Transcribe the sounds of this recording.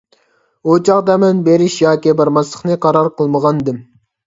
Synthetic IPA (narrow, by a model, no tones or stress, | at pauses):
ot͡ʃʰɑʁd̪ɛmɛnbeɾɪʃjɑːkʲibɑɾmɑsˠəχnɨqʰɑɾɑɾqəlˠməʁɑnd̪ɪm